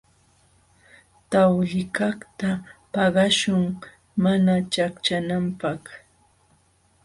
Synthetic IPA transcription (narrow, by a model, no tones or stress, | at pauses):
t̪awʎɪkɑχt̪apɑɢɑʃʊŋ | manat͡ʃakt͡ʃanampɑχ